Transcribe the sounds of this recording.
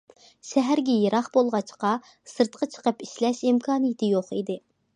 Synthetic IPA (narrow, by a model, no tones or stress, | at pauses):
ʃɛɦæɾɡʲɛjeɾʔɑχbolˠʁɑt͡ʃqɑ | sɨɾt̪qɑt͡ʃʰə̥qəpiʃlɛʃimkʰɑːnɨjit̪ʰɨjoχid̪ɪ